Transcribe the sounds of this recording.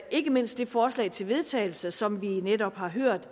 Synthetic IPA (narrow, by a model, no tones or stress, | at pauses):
ʔe̝ɡ̥əme̝n̰sd̥ːe̝fɒːslɛ̰ɪt͡sʰe̝lʋe̝ð̞ˠt͡sʰɛ̰ːɪl̩səsɒ̽mʋined̥ɒ̽b̥hɑ̈ɦøɐ̰d̥